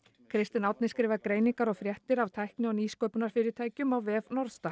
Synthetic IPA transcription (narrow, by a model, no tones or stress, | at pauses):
kʰɾɪst̪ɪnawt̪nɪ̥skɾɪːvaðkɾeːjniŋkaɾɔɣfɾjɛht̪ɪɾavt̪ʰajhknɪɔwniːskœwpʏnaɾ̥fɪːɾɪɾt̪ʰaːjcʏmawvɛːvnɔɾst̪a